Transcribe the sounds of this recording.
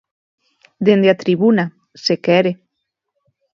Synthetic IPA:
d̪end̪eat̪ɾiβuna | sekɛɾe

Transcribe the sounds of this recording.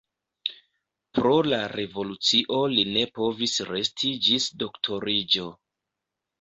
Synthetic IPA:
pɾo̞laɾe̞vo̞lut͡siʔo̞line̞po̞visɾe̞stʰid͡ʒisdo̞ktʰo̞ɾid͡ʒo̞

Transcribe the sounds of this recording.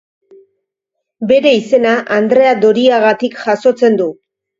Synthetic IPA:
be̞ɾe̞ise̞naʔand̪ɾe̞ad̪o̞ɾiaɣat̪ikʝaso̞t͡se̞nd̪u

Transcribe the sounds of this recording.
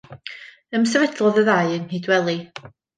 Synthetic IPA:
əmsɛvɛdlˠɔðəðaɨənhidwɛlˠi

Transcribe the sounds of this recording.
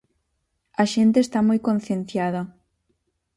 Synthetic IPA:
ɐʃent̪eːst̪amojkõn̟θjenθjaðɐ

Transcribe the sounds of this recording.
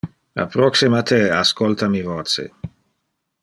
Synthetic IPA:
a̰pɾɔksimat̪ʰeaskolt̪amivoːt̪sḛ

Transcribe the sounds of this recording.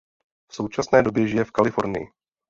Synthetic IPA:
fso̞wt͡ʃasnɛːdo̞bjɛʒɪjɛfkalɪfo̞ɾnɪ̰jɪ̰

